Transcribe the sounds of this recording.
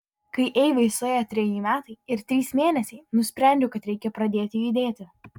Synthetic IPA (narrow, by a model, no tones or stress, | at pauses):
kɐɪʔɛjʋɐɪsoːjɐt̪ʲɾʲɛjiːmʲæːt̪ɐɪɪɾt̪ʲɾʲiːsmʲeːnʲɛsʲɛɪnʊsʲpʲɾʲɛˑnʲd̪ʲʊkɐt̪ɾʲɛɪkʲɛpɾɐd̪ʲeːt̪ʲɪiːd̪ʲeːt̪ʲɪ